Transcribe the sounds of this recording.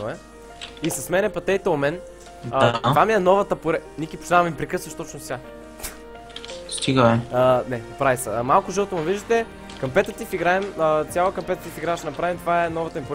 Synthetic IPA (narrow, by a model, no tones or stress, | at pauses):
oɛ | isɐsmɛnɛpɐt̪ɛjt̪ɛomɛn | ət̪vamiɛnɔvɐt̪əpʊɾɛnikipo̥t͡ʃ̪nammipɾɛkɤsvɐʃt̪ot͡ʃnʊsʲa | st̪iɡəɛənɛnɐpɾavisɐ̰malˠkʊʒɤlˠt̪omɐviʒd̪ət̪ɛ | kɐmpɛt̪ət̪ifiɡɾaɛmət̪sʲjalˠəkɐmpɛt̪ət̪ifiɡɾaʃnɐpɾavimt̪vaɛnɔvɐt̪əmipʊɾ